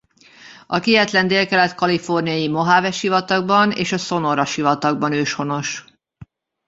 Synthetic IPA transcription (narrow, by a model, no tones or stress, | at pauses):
ɒkiɦɛt̪lɛnd̪eːlkɛlɛt̪kɒlifo̞rnijɒjimo̞ɦaːvɛʃivɒt̪ɒɡ̚bɒnḛːʃɒso̞no̞ɾɒʃivɒt̪ɒɡ̚bɒnøːʃho̞no̞ʃ